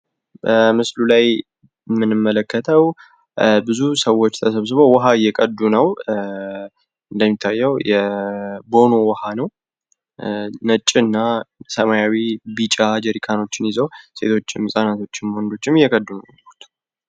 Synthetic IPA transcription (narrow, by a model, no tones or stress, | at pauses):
bəmɨslulaj | mɨnɨmːələkːət̪ʰəw | bɨzusəwːot͡ʃːt̪ʰəsəβs̬ɨβo̞wɔɦajɛkʼəd̪ːunəw | ɨnd̪əmːit̪ʰːajːɛwjɛbo̞no̞wɔhanəw | nət͡ʃʼːɪɨnːasəmajawibit͡ʃʼad͡ʒəɾikʰano̞t͡ʃːɪnizəwse̞̰t̪ʰo̞t͡ʃːɪmɨsʼanat̪ʰo̞t͡ʃːɪnwɔnd̪o̞t͡ʃːɪmjɛkʼəd̪ːunə | ut̪